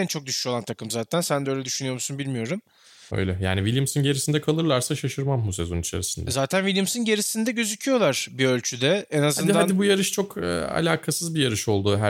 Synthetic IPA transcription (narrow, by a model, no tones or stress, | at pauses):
ɛnt͡ʃʰo̞k̚d̪yʃy̥ʃo̞lˠant̪ʰakɯmzaːt̪ʰænsænd̪ɛø̞jlʲɛd̪yʃynyjo̞ɾmusunbilʲmijo̞ɾum | ø̰jlʲɛja̰ːnivilʲjɯmsɯnɟe̞ɾisind̪ɛkʰalˠɯɾlˠaɾsaʃaʃɯɾmamːuse̞̰zo̞nit͡ʃʰḛɾisind̪ɛzaːt̪ʰænvilʲjumsɯnɟe̞ɾisind̪ɛɟø̞zycʰyjo̞lˠaɾ̥biø̞lʲt͡ʃʰyd̪ɛenazaɯnhd̪ad̪ibujaɾɯʃt͡ʃʰo̞kʰːa̰lʲaːkʰasɯzbijaɾɯʃo̞lˠd̪uːɦæ